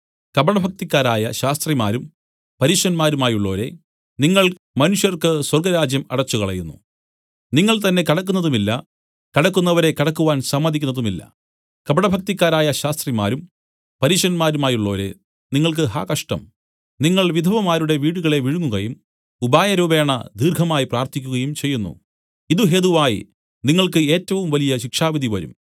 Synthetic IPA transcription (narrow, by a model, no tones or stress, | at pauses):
kɐbɐɳɐbʱɐk̚t̪ikʲːaːɾaːjɐɕaːst̪rimaːɾum | pɐɾiːʂɐnmaːɾumaːjuɭːo̞ːɾe̞̰ | niŋːɐɭ | mɐnuʂjɐrkɨswɐrɡɐɾaːd͡ʑjɐmɐɽɐt͡ɕːuɣɐɭɐ̰jṵnːṵ | niŋːɐɭt̪ɐnːe̞kɐɽɐkːunːɐðumilːɐ̰ | kɐɽɐkːunːɐʋɐɾe̞kɐɽɐkːuʋaːnsɐmːɐd̪ikʲːunːɐðumilːɐ̰ | kɐbɐɳɐbʱɐk̚t̪ikʲːaːɾaːjɐɕaːst̪rimaːɾum | pɐɾiːɕɐɐnmaːɾumaːjuɭːoːɾɨ̰ | niŋːɐɭk̬ɨɦa̰ːkɐʂʈɐ̰m | niŋːɐɭʋid̪ʱɐʋɐmaːɾuɽe̞ʋiːɽuɣɐɭe̞ʋiɻuŋːuɣɐjum | ubaːjɐɾuːbeːɳɐ̰d̪iːrɡʱɐmaːjipraːrt̪ʰikʲːuɣɐjumt͡ɕe̞jːunːṵ | iðuɦeðuʋaːjḭ | niŋːɐɭkɨe̞ːtːɐʋumʋɐlijɐɕikʂaːʋid̪ʱiʋɐɾṵm